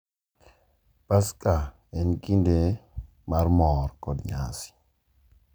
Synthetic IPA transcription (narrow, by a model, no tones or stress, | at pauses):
paska | ɛnkinde | marmɔrkɔdɲa̰si̥